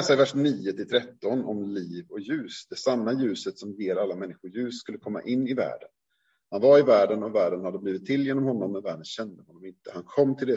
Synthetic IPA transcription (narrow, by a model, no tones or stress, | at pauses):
saɪvæʂniːʊt̪ʰɪlt̪ʰɾɛt̪ːɔnɔmliːvɔkjʉ̟ːsd̪ɛsamːajʉ̟ːsət̪sɔmjeːɾalːamɛnːɪɧʊjʉ̟ːsːkɵlːəkʰɔmːa̰ʔɪnːɪvæ̰ːɖən | hanvaɾɪvæːɖənɔvæːɖənhad̪ːəbliːvɪt̪ʰːɪlːjeːnɔmhɔnːɔmːɛnvæːɖənɕɛnd̪əhɔnːɔmɪnt̪əhankʰɔmːt̪ʰɪld̪ɛ